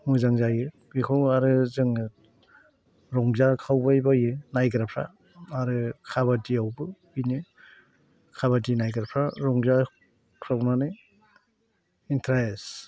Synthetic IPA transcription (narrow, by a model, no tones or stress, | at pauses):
muzaŋzajɯ | bikʰawaɾɯzɯŋɯ | ɾɔŋzakʰawbajbajɯnajɡɯɾapʰɾa̰ | aɾɯkʰaβadiawbɯbinɯ | kʰaβadinajɡɯɾapʰɾaɾɔŋza | kʰɾawnanɯ | intʰɾaes